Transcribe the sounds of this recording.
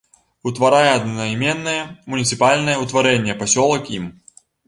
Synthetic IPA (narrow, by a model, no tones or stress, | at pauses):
ut̪vɐɾajɛɐd̪nɐmʲɛnːɐjɛmʊnʲit̪sɨpalʲnɐjɛut̪vɐɾɛnʲɪjɛpɐsʲɔlˠɐkim